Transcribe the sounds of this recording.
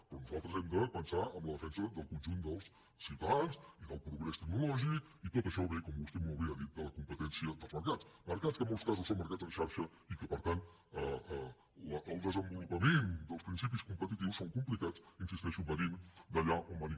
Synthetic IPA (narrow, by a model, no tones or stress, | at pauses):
pɾɔnuzalˠt̪ɾəzɛmd̪əpənsaəmləðəfɛnsəðəlˠkunʒund̪əlˠsː | it̪alsiðəlˠpɾuɣɾɛst̪əɡ̚nulɔʒik | it̪ɔt̪əʃɔβekɔmbust̪ɛmɔlˠβeaðit̪̚d̪ələkumpət̪ɛnsiəd̪əlˠzməɾkat͡sməɾkat͡skəmɔlˠskazusomːəɾkad͡zənʃaɾʃə | ikəpəɾt̪ant̪ | əə | ləːlˠd̪əzəmbulupəmend̪əlˠspɾinsip̬iskumpət̪it̪iwsːoŋkumplikat͡sinsist̪ɛʃumbənimd̪əʎaʔuməni